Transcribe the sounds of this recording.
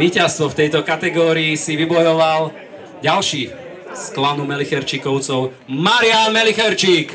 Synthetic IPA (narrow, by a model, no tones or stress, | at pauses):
iːcast̪ʋɔft̪ɛjt̪ɔkat̪ɛɡɔːɾiːsiʋibɔjɔʋal | ɟalʃiː | sklanumɛlixɛɾt͡ʃikɔʊt͡sɔʊ | maɾɪanmɛlixɛɾt͡ʃiːk